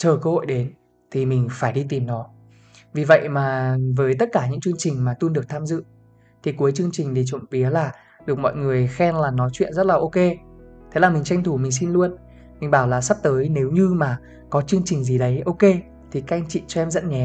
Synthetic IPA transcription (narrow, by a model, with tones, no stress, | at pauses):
t͡ɕəː˨˩kəː˧ho̰˧˨jɗe˨˦n | t̪ʰi˨˩mï˨˩ŋ̟faː˧˩jɗi˧t̪i˨˩mnɔ˨˦ | vi˨˩və̰˧˨jʔmaː˨˩vəː˨˦jt̪ə˦˥t̚kaː˧˩ɲɨ̰˧˥ŋt͡ɕɨ˧əŋt͡ɕï˨˩ŋ̟maː˨˩t̪u˧nɗɨ˨˩ək̚t̪ʰaː˧mzɨ̰˧˨ | t̪ʰi˨˩ku˨˦jt͡ɕɨ˧əŋt͡ɕï˨˩ŋ̟ɗ̪i˧˨˩t͡ɕə̰˧˨mvi˨˦əlaː˨˩ | ɗɨ˨˩ək̚mɔ̰˧˨jŋɨ˨˩əjxɛ˧nlaː˨˩nɔ˨˦jt͡ɕwḭ˧˨ənzə˦˥t̚laː˨˩ʔo˧ke˧t̪ʰe˨˦laː˨˩mï˨˩ŋ̟t͡ɕa˧jŋ̟t̪ʰu˧˩mï˨˩ŋ̟si˧nlu˧ən | mi˨˩ŋ̟ɓaː˧˩wlaː˨˩sa˦˥p̚t̪əː˨˦jne˨˦wɲɨ˧maː˨˩ | kɔ˨˦t͡ɕɨ˧əŋt͡ɕï˨˩ŋ̟zi˨˩ɗə˨˦jʔo˧ke˧ | t̪ʰi˨˩ka˦˧ŋt͡ɕḭ˧˨t͡ɕɔ˧ʔɛ˧mzə̰˧˥nɲɛ˨˦